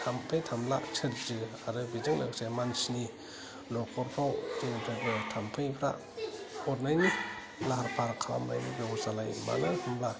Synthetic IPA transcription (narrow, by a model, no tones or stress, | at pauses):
tʰampʰɯjtʰamla̰t͡ʃʰɯɾzɯ | aɾɯbizɯŋla̰ksemansni | lɔkʰɔɾpʰawtiŋɯpʰɾebetʰampʰɯjpʰɾa̰ | ɔɾnajni | laɦaɾpʰaɾkʰaama̰jnḭbjewzalajma̰natʰamla